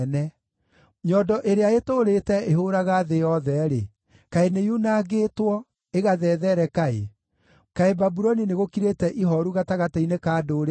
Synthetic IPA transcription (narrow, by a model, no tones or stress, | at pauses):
nɛ | ɲɔdɔʔeɾeaetoɾetɛeɦoɾaɣaðejɔðɛɾe | kaenejunaːɡetwɔ | eɣaðɛːðɛɾɛkaḛ | kaebabuɾɔnineɣokiɾetɛʔiɦɔɾuɣataɣatainekaːdoːɾe